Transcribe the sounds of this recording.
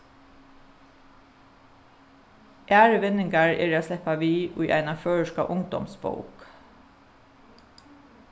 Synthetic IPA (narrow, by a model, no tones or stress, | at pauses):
ʔæːɹəʋɪnɪŋɡaɹɛ̰ːɹaːslɛpaʋiːʔʊ̰ʏʔæ̰ɪnaføːɹəʃka̰ʔʊŋd̪ɔ̰msbo̰ʊk